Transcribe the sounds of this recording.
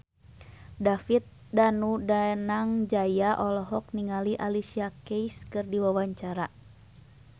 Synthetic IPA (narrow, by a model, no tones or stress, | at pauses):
dafit̪̚ | danudanaŋd͡ʒajaʔɔlɔɦɔk̚niŋaliʔalisiakɛiskɨrdiwawaɲt͡ʃaɾa